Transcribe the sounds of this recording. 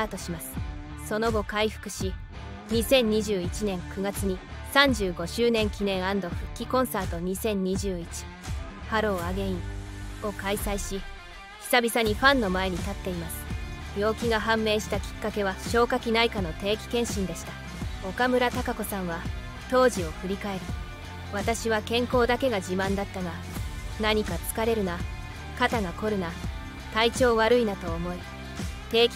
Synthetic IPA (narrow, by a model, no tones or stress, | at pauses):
aːt̪o̞ɕimasɨ̥ | so̞no̞ɡo̞kaiɸɯ̟̥kɯ̟̥ɕi | ɲ̟isẽ̞ɲ̟ːiʑɨːit͡ɕinẽ̞ŋkɯ̟ɡat͡sɨɲ̟i | sãɲ̟d͡ʑɨːɡo̞ɕɨːnẽ̞ŋkʲinẽ̞ɰ̃ãnd̪o̞ɸɯ̟kʲːikõ̞ɰ̃saːt̪o̞ɲ̟isẽ̞ɲ̟ɲːiʑɨːit͡ɕi̥ | haɾo̞ːaɡe̞ĩo̞kaisaiɕi | çʲi̥sabʲisaɲ̟iɸãnːo̞mae̞ɲ̟it̪at̪ːe̞imasɨ̥ | bʲjo̞ːkʲiɡaɦãmːe̞ːɕi̥t̪akʲi̥kːake̞βaɕo̞ːkakʲinaikano̞t̪e̞ːkʲi̥kẽ̞ɰ̃ɕĩnd̪e̞ɕi̥t̪a | o̞kamɯ̟ɾat̪akako̞sãɰ̃βa | t̪o̞ːʑio̞kɯ̟ɾʲikae̞ɾɯ̟ | βat̪aɕiβakẽ̞ŋko̞ːd̪ake̞ɡaʑimãnd̪at̪ːaɡa | naɲ̟ikat͡sɨ̥kaɾe̞ɾɯ̟na | kat̪aɡako̞ɾɯ̟na | t̪ait͡ɕo̞ːβaɾɯ̟inat̪o̞ːmo̞i | t̪e̞ːkʲ